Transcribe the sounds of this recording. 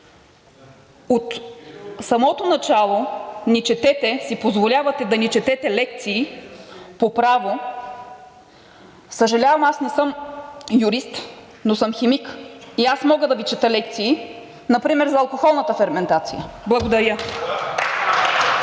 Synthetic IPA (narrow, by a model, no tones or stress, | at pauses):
ot̪ | sɐmɔt̪onɐt͡ʃalˠonɛt͡ʃɛt̪ɛt̪ɛsipozvolʲavɐt̪ɛd̪ɐnit͡ʃɛt̪ɛt̪ɛlɛk̚t̪siː | popɾavo | səʒɐlʲavɐmasnɛsɤmjʊɾist̪ | nosɤmxɛmikiasmɔɡəd̪ɐvit͡ʃɛt̪əlɛkt̪siː | nɐpɾimɛɾzɐːlˠkoxɔlˠnɐt̪əfɛɾmɛnt̪at̪sḭjəblˠɐɡod̪ɐɾjə